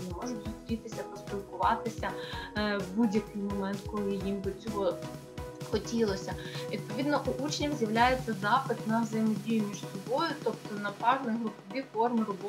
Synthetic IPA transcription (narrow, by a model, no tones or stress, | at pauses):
nɛmɔʒʊtʲzʊst̪ɾʲit̪ɪsʲɐpɔsp̪ʲilˠkʊʋɑ̰t̪ɪsʲɐ | budʲjɐkɪjmɔmɛnt̪kɔlˠɪjimbɪt͡sʲɔɦɔ | xɔtʲilˠɔsʲɐʋʲid̪̚pɔʋʲid̪nɔʔuʔut͡ʃnʲɐwzʲjɐʋlʲajet͡sʲːɐzɑpɪt̪nɐwzɐjmɔdʲijʊmʲiʃsɔbɔjʊt̪ɔpt̪ɔnɐpɑɦnɛɦɾʊpɔʋʲifɔrmɪɾɔbɔ